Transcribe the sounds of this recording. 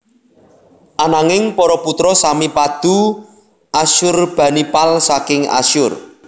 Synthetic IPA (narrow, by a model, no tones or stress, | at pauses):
ʔanaŋɪŋpɔɾɔput̪ɾɔsamipad̪̥ṳ | aʃʊrb̥ä̤nipalsakɪŋa̰ʃʊr